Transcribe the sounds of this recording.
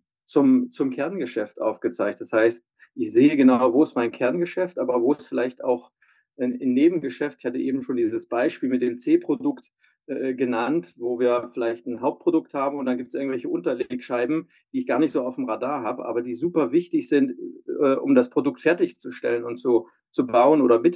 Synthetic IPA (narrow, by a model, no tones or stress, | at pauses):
t͡sʊmt͡sʊmkʰɛɐnɡəʃɛftʔa̰ʊfɡ̥ət͡saɪçt̚d̥ashaɪst̚ | ʔɪçz̥eːəɡənaʊvoːɪstmaɪnkʰɛɐnɡəʃɛftʔaːbɐvoːɛsfɪlaɪçta̰ʊx | ʔɪnneːbm̩ɡəʃɛftɪçhatəʔeːbm̩ʃoːndiːzəsb̥aɪʃpiːlmɪtd̥eːmt͡seːpʁ̥odʊkt | ʔɡənantvoːviːɐfɪlaɪçtn̩ɦaʊp̚t̚pʁ̥odʊk̚thaːbm̩ʊntd̥anɡiːptsʔɪɐɡŋ̩tvɛlçəʔʊntɐleːkʃaɪbm̩ | d̥iːɪçɡ̥aːɐnɪçtz̥oːaʊfmʁadaːɐɦaːbəʔa̰ːbɐdiːzuːpɐvɪçtɪçz̥ɪntɛːʔʊ̰mdaspʁ̥odʊk̚tfɛɐtɪçt͡suʃtɛlənʊntt͡su | t͡subaʊənʔoːɾɐmɪt